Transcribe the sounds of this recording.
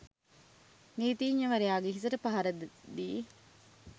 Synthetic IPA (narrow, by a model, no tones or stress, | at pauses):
niːt̪iːɲːɐʋɐɾejaːɡeɦisɐʈɐpɐɦɐɾɐd̪d̪iː